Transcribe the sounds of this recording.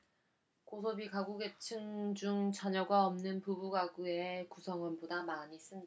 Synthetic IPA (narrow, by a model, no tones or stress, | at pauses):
kosʰʌbikaɡuɡe̞t͡ɕʰɯŋd͡ʑuŋt͡ɕaɲʌɡaʌmnɯnpubuɡaɡue̞kusʰʌŋʌnbodamaɲis͈ɯnda